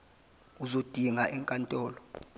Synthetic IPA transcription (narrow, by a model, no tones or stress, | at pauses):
uzod̥ʱiŋaʔɛŋkʼantʼɔːlɔ